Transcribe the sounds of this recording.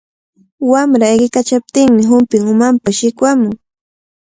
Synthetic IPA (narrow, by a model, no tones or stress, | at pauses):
wamɾaeɢɪkat͡ʃap̚t̪ɪŋmɪɦʊmpɪŋʊmampaʃɪkwamʊŋ